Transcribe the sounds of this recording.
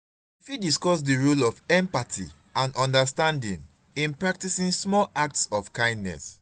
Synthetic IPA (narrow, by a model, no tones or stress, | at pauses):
ifidiskɔs̬diɹulɔfɛ̃mpatʰḭ | ãnɔ̃ndəstãndĩŋ | ĩnpɹak̚tisĩnsmɔlak̚tsɔfkãɪ̃ndnɛ̰s